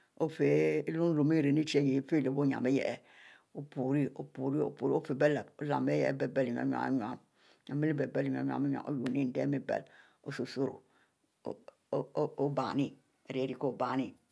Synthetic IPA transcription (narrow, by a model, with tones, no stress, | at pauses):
o˦fe˨˦lu˦n˦ɾo˨mi˦ɾe˨ni˦t͡ʃi˦e˦je˨˦fe˦le˨bo˦ɲa̰˨me˦jɛ̰˨ʔe˨ | o˦pu˨ɾi˦o˨pu˨ɾi˦o̰˨˦pu˨ɾi˦o˦fe˨be˦le˨bo˦la̰˨me˦jɛ˨ḛ˦be˨be˦li˨ɲa̰˨˦ɲa̰˨a̰˦ɲ˨a̰˨m˦ | ɲa˨me˦li˦be˨be˦li˨ɲ˨a˨˦ɲ˨a̰˨me˦ɲ˨a̰˨ʔo̰˦lu˨ni˦n̩˦de˦me˦bḛ˨l | o˦so˨so˦ɾo̰˨˦ | o˦ba̰˨ni˦ | e˨ɾe˨˦ɾi˨ko˦˨ba˨ni˦